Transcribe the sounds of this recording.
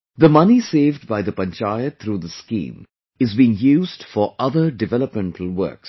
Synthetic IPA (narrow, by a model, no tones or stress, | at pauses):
d̪əmʌniseːvɖ̚baɪd̪əpə̃nt͡ʃaɪət̪ʰɾuːd̪əskḭ̃ːm | ɪzbiːɪ̃ŋjuːzdfɔɾʔʌðəɖɪvɛləpmɛ̃ɳʈʰl̩ˠwə̰ːks